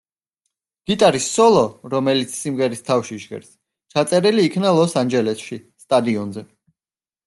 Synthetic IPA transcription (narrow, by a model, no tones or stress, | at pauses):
ɡ̥it̪ʼaɾisːɔlˠɔɾɔmɛlit̪sʰsimʁɛɾist̪ʰafʃiʃʁɛ̰ɾs | t͡ʃʰat̪sʼɛɾiliːkʰnalˠɔsand͡ʒɛlɛsʃist̪ʼad̪iɔnzɛ